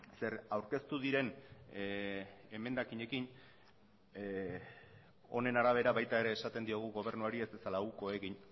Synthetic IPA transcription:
se̞ɾawɾke̞st̪uðiɾe̞n | e̞me̞nd̪akiɲe̞kin | o̞ne̞naɾaβ̞e̞ɾaβajt̪ae̞ɾe̞ːsat̪e̞nd̪io̞ɣ̞uɣo̞β̞e̞ɾnuaɾie̞zesalauko̞e̞ɣiɲ

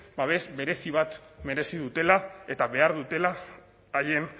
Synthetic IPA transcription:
baβezbe̞ɾe̞siβ̞at̪me̞ɾe̞siðut̪e̞lae̞t̪aβe̞aɾðut̪e̞laː | ʎe̞n

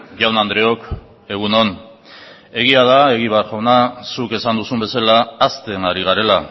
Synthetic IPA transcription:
ʝawnand̪ɾe̞o̞k | e̞ɣ̞uno̞n | e̞ɣ̞iað̞ae̞ɣ̞iβeaɾʝawnasuke̞sand̪usumbe̞salaːst̪e̞ŋaɾiɣ̞aɾe̞la

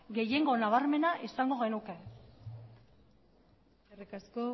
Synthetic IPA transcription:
ɣe̞je̞ŋɡo̞naβaɾme̞naʔisaŋɡo̞ɣ̞e̞nuke̞ | erikasko

